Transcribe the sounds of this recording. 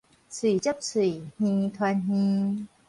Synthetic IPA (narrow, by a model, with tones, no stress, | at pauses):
si˨˩˦t͡ɕə˦˥p̚si˧˩˦hĩ˧t̪ʰwa˧nɦi˧